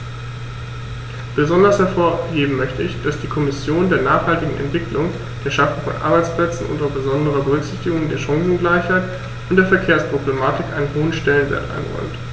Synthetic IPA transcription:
b̥əzɔndɐshɛɐfoːɐheːbm̩mœçtəɪçd̥asd̥iːkʰɔmɪsjoːndeːɐnaːχhaltɪɡŋ̩ʔɛ̰ntv̥ɪklʊŋ | d̥eːɐʃafʊŋfɔ̰nʔa̰ɐbaɪt͡spl̥ɛt͡sn̩ʔʊ̰ntdaʊfb̥əzɔndəʁ̞ɐbəʁʏçz̥ɪçtɪɡʊŋdeːɐʃaŋzŋ̩ɡlaɪçhaɪt | ʊntd̥eːɐfɛɐkʰeːɐspʁ̥oblemaːtɪkʔaɪnənɦoːənʃtɛlənvḛɐtʔa̰ɪnʁɔ̰ʏmt

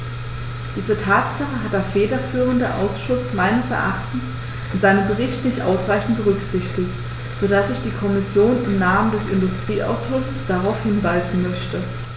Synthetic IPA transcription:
d̥iːzətʰaːtz̥aχəɦat̚d̥eːɐfeːdɐfyːʁ̞əndəʔa̰ʊsʃʊsmaɪnəsɛ̰ɐʔaχtn̩s | ʔʔɪnzaɪnəmbəʁɪçtnɪçtʔa̰ʊsʁaɪçn̩t̚b̥əʁ̞ʏkz̥ɪçtɪkt | z̥odasɪçd̥iːkʰɔmɪsjoːnɪmnaːməndɛsɪndʊstʁ̥iːʔa̰ʊsʏfəsd̥aʁaʊfhɪnvaɪzn̩mœçtə

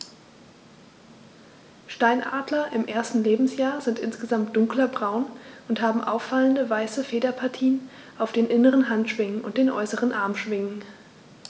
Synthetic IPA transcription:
ʃtaɪnʔa̰ːdlɐʔɪmʔeːɐstn̩leːbm̩sjaːɐzɪntʔɪnsɡ̥əzamt̚d̥ʊŋklɐbʁaʊnʔʊntɦaːbm̩ʔa̰ʊfaləndəvaɪsəfeːdɐpʰaɐtʰiːn | ʔaʊfd̥eːnʔɪnəʁ̞ənɦantʃv̥ɪŋənʊ̰nt̚d̥eːnʔɔ̰ʏsəʁ̞ənʔaɐmʃv̥ɪŋən

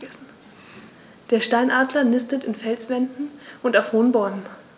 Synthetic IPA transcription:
s̩ | d̥eːɐʃtaɪnʔaːdlɐnɪstətɪnfɛlsv̥ɛndn̩ʔʊntaʊfhoːnbɔɐmən

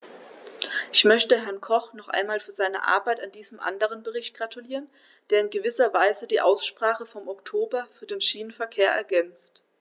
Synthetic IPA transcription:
ʔɪçmœçtəɦɛɐnkʰɔχnɔχʔa̰ɪnmaːlfyːɐzaɪnə̰ʔa̰ɐbaɪtandiːzəmʔa̰ndəʁ̞ənbəʁɪçt̚ɡ̥ʁatʰuliːʁən | d̥eːɐɪnɡəvɪsɐvaɪzədiːʔaʊsʃpʁ̥aːχəfɔmɔktʰoːbɐfyːɐdeːnʃiːnənfɛɐkʰeːɐʔɛ̰ɐɡɛnt͡st

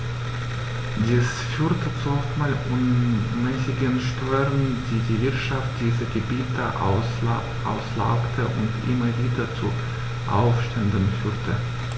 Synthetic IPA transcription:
d̥iːs | fyːtʰət͡suɔftmaːlʔʊnmɛsɪɡənʃtʰøʏʁəndiːdiːvɪɐtʃaft̚d̥iːzəɡəbiːtʰəʔ | ʔa̰ʊsla̰ʊktʰəʔʊ̰ntʔɪmɐviːdɐt͡su | ʔa̰ʊfʃtɛndənfyːʁtʰə

